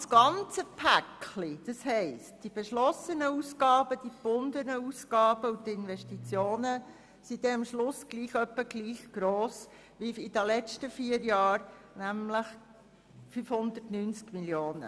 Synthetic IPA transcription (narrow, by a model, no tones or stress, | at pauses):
sɡ̥ɑnt͡səpʰækʰlid̥ɑshɛɪstd̥ib̥eʃlɔsənəuːsɡ̥ɑːbəd̥ib̥ʊnd̪ənəuːsɡ̥ɑːb̥əut̪ɪnʋɛʃtit͡sjoːnə | sid̥̪ɛəmʃlʊsɡ̥liːχœpːəɡliːχɡ̥ɾoːs | ʋiid̥̪əlɛt͡stəfiːəɾjɑːɾ | næmləχ | fyːfhʊnd̪ərtnyːnt͡skmiljoːnə̰